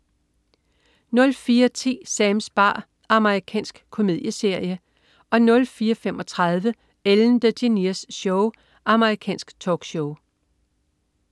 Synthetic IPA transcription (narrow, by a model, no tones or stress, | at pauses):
nɔ̽lfiːɐt͡sʰḭːsɛmsb̥ɑ̰̈ː | ɑ̈məʁikʰɛ̰ːnsɡ̥kʰo̝me̝ð̰ˠjəse̝ɐ̰jə | ʔɒ̽nɔ̽lfiːɐfem̰ɒ̽t͡sʰʁɑð̞ˠʋə | eln̩d̥əd̥iniɐsɕɔʊ | ʔɑ̈məʁikʰɛ̰ːnsɡ̥t͡sʰɒːɡ̥ɕoʊ